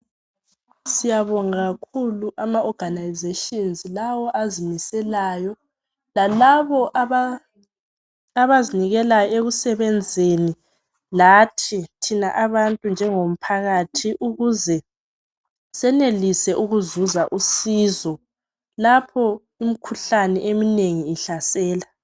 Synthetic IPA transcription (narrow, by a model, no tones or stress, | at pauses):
sijaβɔŋaɣakʰuluʔamaʔɔɡ̥ʱanajzeʃinzlawɔʔazimisɛlajɔ | lalaβɔʔa | aβaziniɣɛlajɔeɣusɛβɛnd͡zʱeni | latʰitʰinaʔaβantʼund͡ʒʱɛŋom̩pʰaɣatʰiʔuɣuzɛ | sɛnelisɛʔuɣuzuzaʔusiːzɔ | lapʰɔ | imikʰuɬanɛʔemineŋiːɬasɛːla